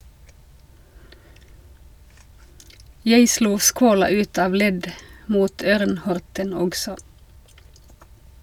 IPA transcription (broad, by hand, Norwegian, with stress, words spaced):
ˈjæɪ ˈʃluː ˈskoːlɑ ˈʉːt ˈɑːʋ ˈlɛd ˈmuːt ˈøːʁn ˈhɔʁtən ˈɔksɔ